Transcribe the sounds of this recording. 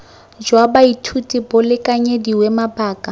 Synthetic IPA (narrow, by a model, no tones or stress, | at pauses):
d͡ʒwabaitʰutʼibʊlɪkʼaɲediwɛmabaːkʼa